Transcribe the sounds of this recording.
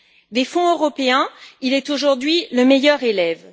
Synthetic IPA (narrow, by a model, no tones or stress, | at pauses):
d̪efɔ̃øʁɔpeɛ̃ilɛt̪oʒuʁd̪ɥiləmejœʁelɛv